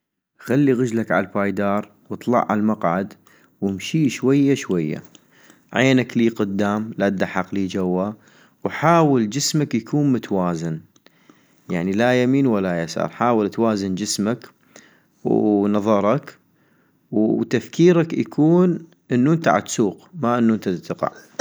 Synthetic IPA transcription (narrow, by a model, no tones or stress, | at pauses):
xalːiɣəd͡ʒlakʕa̰lfaːjd̪ɑːɾˤ | wɨt̪ˤlɑ̰ʕʕa̰lmaqʕad̪ | wɪmʃiːʃwajːaʃwajːa̰ | ʕeːnakliːqʊd̪ːaːmlad̪aħɑqliːd͡ʒawːa | wħaːwəld͡ʒɪsmakjakʰuːnmʊt̪awaːzan | jaʕnilajamiːnwalːajasa̰ɾˤħaːwɪlt̪waːzɪnd͡ʒɪsmak | wnɑðˤɑɾˤɑk | wt̪afkiːɾakja̰kʰuːn | ʔənːuʔənt̪a̰ʕa̰d̪suːqmaʔənːuʔənt̪at̪ːqɑ̰ʕ